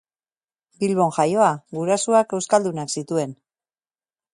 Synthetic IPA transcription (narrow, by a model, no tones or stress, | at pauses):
bilβo̞ŋʝajo̞aɡuɾasuake̞wskald̪unaksit̪ue̞n